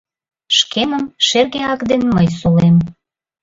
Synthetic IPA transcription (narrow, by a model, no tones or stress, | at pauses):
ʃkʰeməmʃerɣeɑkd̪enməjsulem